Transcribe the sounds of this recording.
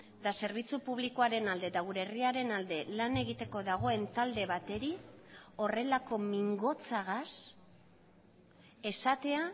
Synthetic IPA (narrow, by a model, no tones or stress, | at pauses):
d̪ase̞ɾβ̞it͡supuβ̞likoaɾe̞nald̪e̞d̪aɣuɾe̞riaɾe̞nald̪e̞lane̞ɣ̞it̪e̞ko̞ðaɣ̞o̞e̞nt̪ald̪e̞βat̪e̞ɾio̞re̞lako̞miŋɡo̞t͡saɣ̞as | e̞sat̪e̞a